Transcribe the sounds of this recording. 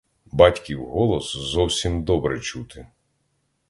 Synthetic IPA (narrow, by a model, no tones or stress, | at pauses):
bɑtʲkʲiwɦɔlˠɔszɔwsʲimd̪ɔbɾɛt͡ʃut̪ɪ